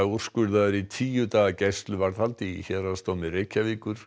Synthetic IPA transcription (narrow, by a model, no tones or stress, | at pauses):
ur̥skʏɾðaʏɾit̪ʰiːjʏt̪aːɣacɛjst̪lʏvaɾðhalt̪iiçɛɾast̪owmɪrejcːaviːkʏɾ̥